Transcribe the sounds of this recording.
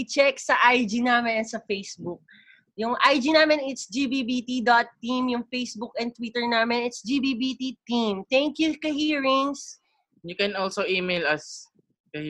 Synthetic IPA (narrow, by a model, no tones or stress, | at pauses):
ɪt͡ʃɛksɐʔajd͡ʒinaːmɪnnsɐfejsbʊk̚ | jʊŋʔajd͡ʒinaːmɪnɪt̪sd͡ʒibiːbit̪id̪ot̪ːimjʊŋfejsbʊk̚ɛn̚t̪wit̪ɛɹnaːmɛnɪt̪sd͡ʒibibit̪it̪imt̪ɛŋkjukɐhiːɹɪŋs | jʊkɛnʔɔlsoʔimejlɐs | kɐh